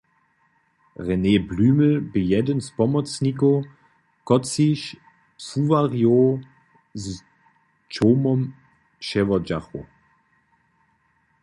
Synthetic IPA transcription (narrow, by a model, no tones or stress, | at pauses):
ʁɛneːblyːməbəjɛdənspɔmɔt͡snik̬o | kɔt͡siʃ | suvaʁjo | z | t͡ʃoːmɔm | ʃɛvɔd͡ʒaχo̰